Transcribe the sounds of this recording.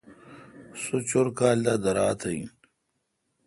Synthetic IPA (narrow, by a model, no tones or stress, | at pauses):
sut͡ɕoɾkaːld̪ad̪ɐɾaːt̪ʰɐĩ